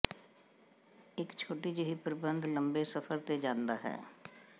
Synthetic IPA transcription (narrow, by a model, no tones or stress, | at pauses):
ɪkt͡ʃʰoːʈid͡ʒeɦipəɾɪbə̃nd̪ləmbesəfʰəɾt̪ed͡ʒãːnd̪aːɦɛ̰ː